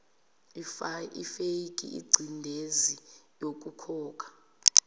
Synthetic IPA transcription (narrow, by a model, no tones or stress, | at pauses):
ifeiɡʱʼḭʔḭɡ͡ǀʱindʱezijok̬ʼukʰɔːk̬ʼḁ